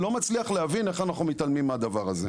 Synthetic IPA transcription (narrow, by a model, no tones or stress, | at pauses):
lo̞mat͡sliaχleavine̞χanaχnumit̪almimːad̪avaʁazḛ